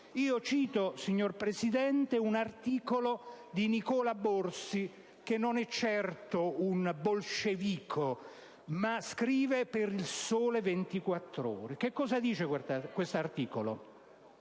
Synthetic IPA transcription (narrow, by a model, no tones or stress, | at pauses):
iːot͡ʃiːt̪osiɲːorpɾesid̪ɛnt̪eunart̪iːkolod̪inikɔːlaborsi | k̟enːonɛt͡ʃːɛrt̪ounbolʃeviːkʰo | maskɾiːvepeɾilsoːlevent̪ikwat̪ːɾo̰ːɾek̟ekːɔːzad̪iːt͡ʃekw̪akwest̪oart̪iːkolo̰